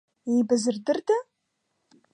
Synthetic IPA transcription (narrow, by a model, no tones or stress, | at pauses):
ejbɨzɨrdɨrda